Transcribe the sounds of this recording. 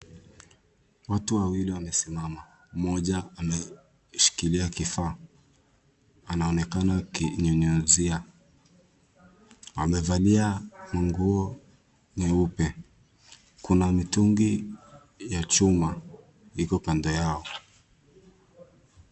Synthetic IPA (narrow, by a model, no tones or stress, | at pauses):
watuwawiliwamɛsimama | mɔʄaamɛ | ʃi̥kiliakifaː | anaɔnɛkanakiɲɔɲɔzia | wamɛvaliamaŋɡuɔ | ɲɛupɛ | kunamituŋɡi | jat͡ʃuma | hikɔkandɔjaɔ